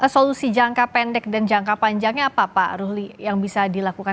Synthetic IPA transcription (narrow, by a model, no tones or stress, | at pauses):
əsolusid͡ʒaŋkapɛndɛk̚dand͡ʒaŋkapaɲd͡ʒaŋɲaːpapa̰ruɦlijaŋbisadilakuka